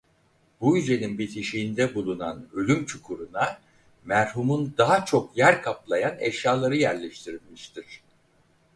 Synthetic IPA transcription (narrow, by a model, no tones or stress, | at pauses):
b̥ujyze̞ninbit̪ʰiʃijːnd̪ɛbulˠuna̰nø̞lʲymt͡ʃʰukʰuɾuna | mæɾhumund̪aɦat͡ʃʰo̞kjæɾkʰaplˠajanɛ̰ʃjaːlˠaɾɯjæɾlʲɛʃt̪ʰiɾilʲmiʃt̪ʰiɾ̝̥